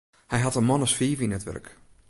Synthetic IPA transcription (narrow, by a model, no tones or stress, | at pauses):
hɛjɦɑtənmɔnəsfiːvəinətʋœ̰rk